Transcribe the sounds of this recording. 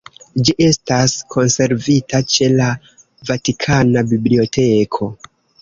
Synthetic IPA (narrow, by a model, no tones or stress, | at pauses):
d͡ʒiʔe̞staskʰo̞nse̞ɾvitʰat͡ʃe̞la | vatikʰanabiblio̞tʰe̞kʰo̞